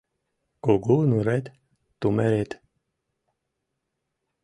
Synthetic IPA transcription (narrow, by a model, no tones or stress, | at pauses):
koɡunuɾɛt̪ | t̪umɛɾet̪